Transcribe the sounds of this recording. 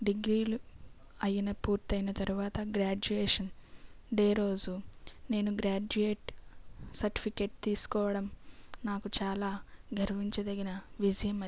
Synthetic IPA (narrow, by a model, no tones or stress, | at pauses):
ɖiɡɾiːlu | ɐjinɐpuːɾt̪ɐjnɐt̪ɐɾuʋaːt̪ɐɡɾaːd͡ʒueːʂɐn | deːɾo̞ːd͡ʒune̞ːnuɡɾaːd͡ʒueːʈ | sɐɾʈi̥pʰike̞ːʈ̚t̪iːsu̥kɔːʋɐɽɐmnaːkut͡ʃaːlaːɡʱɐɾʋiɲt͡ʃɐd̪ɐɡinɐʋid͡ʒɐjɐmɐ